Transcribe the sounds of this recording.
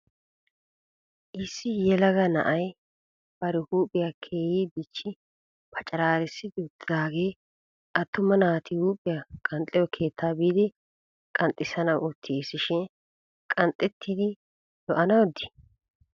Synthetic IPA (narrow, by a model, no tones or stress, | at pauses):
ʔɪsːɪjɛlɐɡɐnɐ̰ʔɐj | b̥ɐɾɪhuːpʼɪjakʰe̞ːjiːbɪt͡ʃːɪ | pʰɐt͡ʃʼɐɾaːɾɛsːɪd̪ɪʊt̪ːɪd̪aːɡe̞ː | ʔɐt̪ːʊmɐnaːt̪ɪhuːpʼɪjakʼɐnt̪ʼɛwɔkʰe̞ːt̪ʰːaːbiːd̪ɪ | kʼɐnt̪ʼːɪsɐnɐwʊt̪ʰːɪɪsːɪʃɪn | kʼɐnt̪ʼːɛt̪ʰːid̪ɪ | dɔʔɐnɐwɔd̪ɪ̥